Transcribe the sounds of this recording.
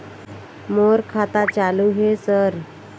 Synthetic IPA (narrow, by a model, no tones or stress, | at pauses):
moɾkʰat̪at͡ɕaluɦesəɾ